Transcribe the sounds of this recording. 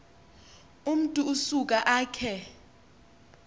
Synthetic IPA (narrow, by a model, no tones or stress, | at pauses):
um̩tʼuːsuk̬ʼaʔaːkʰɛ